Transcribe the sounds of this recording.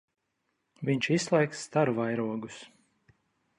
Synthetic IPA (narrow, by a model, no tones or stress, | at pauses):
vʲiɲʲt͡ʃisslˠɛjksːt̪aɾvajɾuɔɡus